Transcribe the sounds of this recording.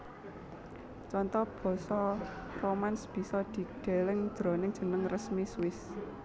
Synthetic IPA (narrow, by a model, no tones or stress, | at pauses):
t͡ʃɔnt̪ɔb̥ɔ̤sɔromansb̥i̤sɔd̪̥i̤ɖ̥e̤lɪŋd̪̥ɾo̤nɪŋ̥ʒ̥ə̤nəŋrəsmiswɪs